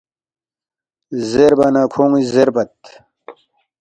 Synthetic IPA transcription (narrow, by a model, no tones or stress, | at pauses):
zeɾbɐnakʰoːŋizeɾbɐt̪